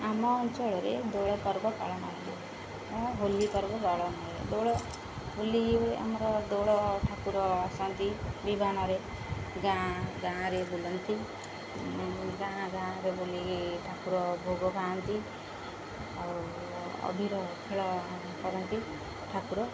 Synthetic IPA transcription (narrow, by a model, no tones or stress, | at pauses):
amɔt͡ʃɔɽeɾed̪oɽɔpɔɾbɔpa̰ɽɔnali | ɦolipɔɾbɔpaɽɔnaɾed̪oɽɔ | ɦolːiea̰mɾɔd̪oɽɔʈʰakuɾɔasant̪ibibʱanaɾe | ɡãɡãɾebulɔnt̪i | ɡãɡãɾebuliʈʰakuɾɔbʱoɡɔbant̪i | a | ʌ̰bʱiɾɔkʰeɭɔ | kɔɾɔnt̪i | ʈʰakuɾɔ